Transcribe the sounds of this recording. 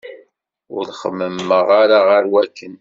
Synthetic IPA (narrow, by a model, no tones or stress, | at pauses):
ʊɾχə̰mːəmːəʁaɾaʁəɾwækːən